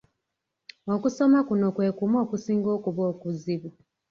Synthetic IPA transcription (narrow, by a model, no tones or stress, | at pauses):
o̞kuso̞makuno̞kwe̞ːkumo̞ːkusiːŋɡo̞ːkuβoːkuziβu